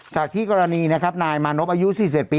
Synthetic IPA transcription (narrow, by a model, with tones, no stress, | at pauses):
t͡ɕaː˨˩k̚t̪ʰiː˥˩kɔː˧ɾa˧niː˧na˦˥kʰa˦˥p̚naː˧jmaː˧no˦˥p̚ʔaː˧ju˦˥siː˨˩s̬p̚e˨˩t̪piː˧